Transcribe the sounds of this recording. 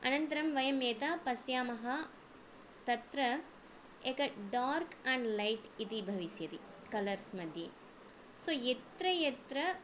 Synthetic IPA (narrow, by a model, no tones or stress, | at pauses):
ɐ̰nɐnt̪ɐɾɐmʋɐjɐmjeːt̪aːpɐsjaːmɐɦɐ | t̪ɐt̪ɾɐ | ekɐɖaːɾkaɳɖlɐjʈit̪ibʱɐʋisjɐt̪i | kɐlɐɾsmɐd̪ʱjḛ | soːjet̪ɾɐjet̪ɾɐ